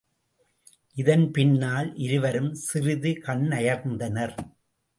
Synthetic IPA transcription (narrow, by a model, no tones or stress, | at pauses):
ʔɪðɐnpɪɳːaːlʔɪɾɯʋɐɾɯmsɪrɪðɯkɐɳnɐjɐɾnd̪ɐnɐɾ